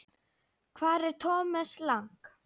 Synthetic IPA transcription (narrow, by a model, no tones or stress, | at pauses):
kʰvaːɾɛɾ̥t̪ʰɔːmɛslaŋk